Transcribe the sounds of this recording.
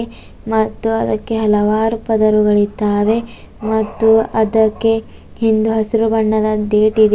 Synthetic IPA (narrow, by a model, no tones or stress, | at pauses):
mɐt̪ːuɐd̪ɐkːe̞ɦɐlɐʋaːɾupɐd̪ɐɾuɡɐɭit̪aːʋe̞ | mɐt̪ːuɐd̪ɐkːe̞ | hind̪uɦɐsiɾubɐɳːɐd̪ɐd̪eːʈid̪e